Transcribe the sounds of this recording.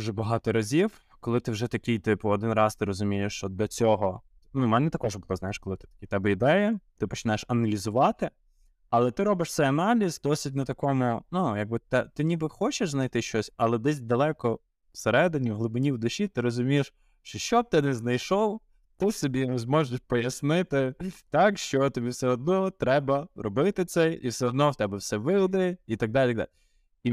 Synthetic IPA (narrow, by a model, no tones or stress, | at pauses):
uʒɛbɐɦɑt̪ɔɾɐzʲiw | kɔlˠɪt̪ɪwʒɛt̪ɐkʲijt̪ɪpʊɔd̪ɪnrɑst̪ɪɾɔzʊmʲijeʃt͡ʃɔd̪lʲɐt͡sʲɔɦɔ | numɛnɛt̪ɐkɔʒbʊlˠɔznɑjeʃkɔlˠɪt̪ɪ̥t̪ɐ̥kʲit̪ɛbɛid̪ɛjɐt̪ɪpɔt͡ʃɪ̥nɑjeʃɐnɐlʲizʊʋɑt̪ɪ | ɐlˠɛt̪ɪɾɔbɪʃt̪sɛɐnɑlʲizd̪ɔsʲitʲnɐt̪ɐkɔmʊnujɐɡ̚bɪt̪ɛt̪ɪnʲibɪxɔt͡ʃeʃznɐjt̪ɪʃt͡ʃɔsʲɐlˠɛd̪ɛsʲd̪ɐlˠɛkɔ | wseɾɛd̪ɪnʲiɦlˠʊbɪnʲiwd̪ʊʃʲit̪ɪɾɔzʊmʲijeʃ | ʃt͡ʃɔʃt͡ʃɔb̚t̪ɪnɛznɐjʃɔw | t̪ɪsɔbʲiɔzmɔʒɪʃpɔjɐsnɪt̪ɪt̪ɑkʃt͡ʃɔt̪ɔbʲiwsɛɔd̪̚nɔt̪ɾɛbɐɾɔbɪt̪ɪt̪sɛḭwsɛɔd̪nɔwt̪ɛbɛwsɛʋɪd̪eit̪ɐɡ̚d̪alʲit̪ɐɡd̪a̰lʲ | i